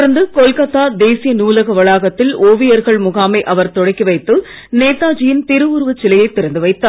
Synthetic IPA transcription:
ɾɐnd̪ɯkɔlkɐt̪ːaːd̪eːsɪjɐnuːlɐɣɐʋɐɭaːɣɐt̪ːɪloːʋɪjɐɾɣɐɭmʊɣaːmɐɪʔɐʋɐɾt̪ɔɽɐɪkːiʋɐɪt̪ːɯ | neːt̪aːd͡ʒɪjɪnt̪ɪɾɯʊɾɯʋɐt͡ʃːɪlɐjɐɪt̪ːɪɾɐnd̪ɯʋɐɪt̪ːaː

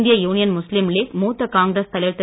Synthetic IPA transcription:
nd̪ɪjɐjuːnɪjɐnmʊslɪmliːkmuːt̪ːɐkaːŋɡɾɐst̪ɐlɪɾt̪ɪ

